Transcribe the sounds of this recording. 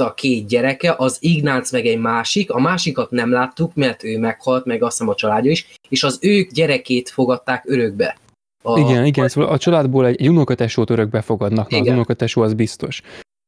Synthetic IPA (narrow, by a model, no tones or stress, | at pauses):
ɒkeːt̪̚ɟɛɾɛkɛʔɒziɡnaːt̪smɛɡɛɟmaːʃikɒmaːʃikɒt̪nɛmlaːt̪ːukmɛrt̪øːmɛkhɒlt̪mɛɡɒsnɛmɒt͡ʃɒlaːdːɒiʃ | eːʃɒzøːɡɟɛɾɛkeːt̪fo̞ɡɒt̪ːaːkøɾø̞ɡ̚bɛ̰ | ɒiɡɛniɡɛnsoːɒlɒt͡ʃɒlaːd̪boːlɛɟɛɟunokɒt̪ɛʃoːt̪øɾøɡ̚bɛfo̞ɡɒd̪nɒknɛɒunokɒt̪ɛʃoːɒzbist̪o̞ʃ